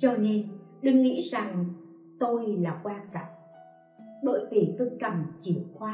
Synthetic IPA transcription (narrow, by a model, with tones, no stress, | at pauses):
t͡ɕɔ˧ne˧nɗɨ˧ŋːḭ˧˥za˨˩ŋ | t̪o˧jlaː˨˩kwaː˧nka˧˨˩k̚ | ɓə̰ː˧˨jvi˨˩t̪o˧jkə˨˩mt͡ɕi˧˨˩əwxwaː˧